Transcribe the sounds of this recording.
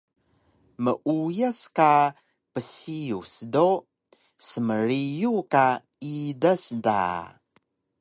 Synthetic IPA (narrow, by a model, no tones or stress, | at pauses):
məʔujaska | pəsiusdo | səməɾijuka | idasda̰